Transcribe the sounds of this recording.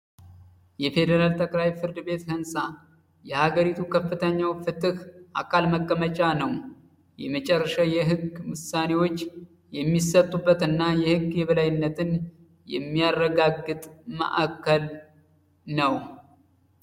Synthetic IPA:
jɛfe̞d̪əɾalt̪ʰəkʼlajfɨɾd̪ɨbe̞t̪hɨnsa | jɛhaɡəɾit̪ʰukʰəfːɨt̪ʰəɲːawfɨt̪ʼɨhʔakʰalməkʼːəmət͡ʃʼanəw | jɛmət͡ʃʼɛrːəʃajɛɦɨɡwʊsane̞wo̞t͡ʃː | jɛmːisət̪ʼːubːət̪ɨnːajɛhɨɡjɛβəlajɪnːət̪ʰɨn | jɛ̰mːijarːəɡaɡɨt̪ʼmə̰ʔa̰kʰːəl | nəw

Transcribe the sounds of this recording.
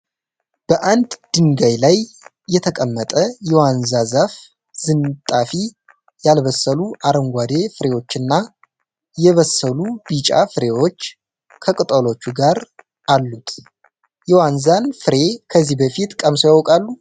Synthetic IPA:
b̥əʔand̪d̪̥ɨŋɡajlajː | ɛt̪ʰəkʼəmːət̪ʼəjɛwanzazaf | zɨnt̪ʼafi | jalβəsːəluʔaɾəŋɡʷad̪e̞fɨɾe̞wo̞t͡ʃːɨnːa | jɛβəsːəlubit͡ʃʼa̰fɨɾe̞wo̞t͡ʃː | kʰəkʼɨt̪ʼəlo̞t͡ʃːuɡaɾ | ʔalːut̪ʰ | jɛwanzanfɨɾe̞kʰəzːihbəfit̪kʼəmsojawkʼalːu

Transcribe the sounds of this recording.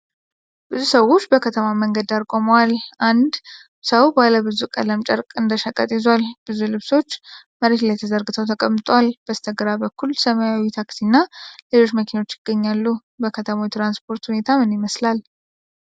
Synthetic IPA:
b̥ɨzusəwːo̞t͡ʃːbəkʰət̪ʰəmaməŋɡəd̪aɾkʼo̞məwalʔand̪ | səwbaləbɨzukʼə̰ləmt͡ʃʼə̰ɾkʼɨnd̪əʃakʼːə̰t̪ʼjɛzwalb̥ɨzulɨβso̞t͡ʃːməɾet̪lajt̪ʰəzəɾɡɨt̪ʰəwt̪ʰəkʼəmːɨt̪ʼoalb̥əst̪ʰəɡɾabəkːulsəmajawit̪ʰaksinːalelo̞t͡ʃːməkʰino̞t͡ʃːjɪɡːəɲːalːu | bəkʰət̪ʰəmawjit̪ʰɾanspʰo̞ɾt̪hune̞t̪ʰamɨnjɪməslal

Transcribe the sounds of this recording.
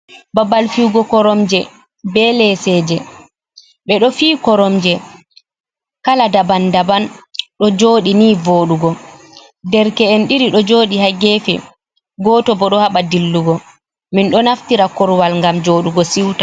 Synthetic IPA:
babalfiwɡɔkɔɾɔmd͡ʒɛ | bɛlɛsɛːd͡ʒɛ | ɓɛɗɔfiːkɔɾɔmd͡ʒɛ | kaladabandabanɗɔd͡ʒoːɗiniːvoːɗuɡɔ | dɛɾkɛːnɗiɾiɗɔd͡ʒoːɗihaɡɛfɛ̰ | ɡɔːtɔbɔɗɔhaɓadilːuɡɔ | minɗɔnaftiɾakɔɾwalŋɡamd͡ʒoːɗuɡɔsiwta

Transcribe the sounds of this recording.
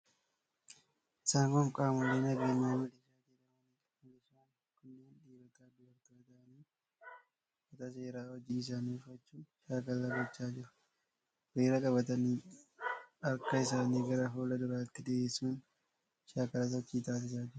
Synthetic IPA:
ʔɪsaːŋkɔŋkʼaːmɔleːnɐɡeːɲːaːmɪlɪʃaːd̪iːɾɐmɐniːkʼɐɪlɪʃaːn | kʊnːeːnᶑiːbɐt̪aːd̪ʊbɐɾt̪ɐbɐt̪ɐʔɐniː | bɐt̪ɐse̞ːɾaːwɔd͡ʒiːɪs̬aːnifɐt͡ʃːuːnʃaːkɐlːɐɡɔt͡ʃːaːd͡ʒɪɾʊ̥ | ɾeːɾɐkʼɐbɐt̪ɐniː | ɐɾkɐɪsaːniːɡɐɾɐɦoːlɐd̪ʊɾaːɪt̪ːɪd̪ɛeːsuːn | ʃaːkɐlɐs̬ɐt̪ːiːt̪aːs̬ɪsaːd͡ʒɪɾʊ̥

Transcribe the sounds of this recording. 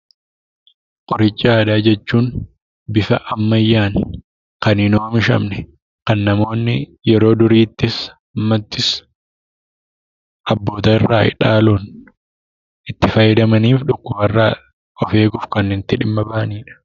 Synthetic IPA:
kʼɔɾɪt͡ʃʼːaːd̪aːd͡ʒɛt͡ʃːuːn | bɪfɐʔɐmːɐjːaːn | kɐnɪnoːmɪʃɐ̰mnɛ | kɐnːɐmo̞ːnːɪjɛɾo̞ːd̪ʊɾiːt̪ːɪs | ɐmːɐt̪ːɪs | ʔɐbːo̞ːt̪ɐɪrːaːɪ̰ᶑaːluːn | ʔɪt̪ːɪfɐjːɪd̪ɐmɐniːfᶑʊkːʊbɐrːaː | ʔɔfe̞ːɡʊfkɐnːɪnt̪ːɪᶑɪmːɐbaːniːᶑɐ̥

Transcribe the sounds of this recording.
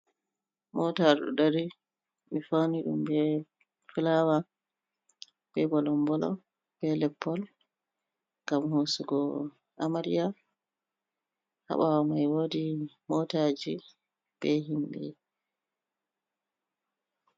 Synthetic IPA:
mɔtaɾɗɔ̰ɗaɾi | mifaniɗṵmbɛ | filawa | b̥ɛbɔlɔmbɔlɔ̰ | b̥ɛlɛpːɔl | ŋɡamhosuɡɔ | ʔamaɾija | ha̰ɓawamajwodimɔtad͡ʒi | b̥ɛɦimɓɛ̰

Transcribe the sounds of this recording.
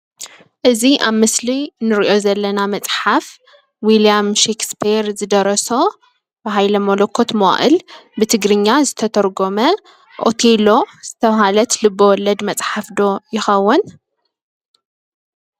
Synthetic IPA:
ʔɨziʔaβmɨslinɨɾiʔo̞zɐlːɐnamɐt͡sʼħaf | wiliamʃekspʰiɾzɨd̪ɐɾɐso̞ | bɨɦajlɐmolokʰːo̞t̪mɐʔʔɨ̰lbɨt̪ʰɨɡɾɨɲːazɨt̪ʰɐt̪ʰɐɾɡo̞mɐ | ʔot̪ʰelo̞z̥ɨt̪ʰɐβhalɐt̪lɨbːowɔlːɐd̪mɐt͡sʼħafd̪o̞jɪxɐwːʊn

